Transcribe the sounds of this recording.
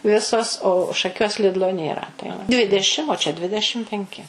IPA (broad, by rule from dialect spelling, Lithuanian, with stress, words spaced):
ˈʋʲɪsoːs oː ʃɐˈkʲuɔs ˈlʲɪdlˠoː nʲeːˈrɐ tɐɪ ʋɐ ˈdʲʋʲɪdʲɛʃʲɪm oː t͡ʃʲɛ ˈdʲʋʲɪdʲɛʃʲɪm pʲɛŋʲˈkʲɪ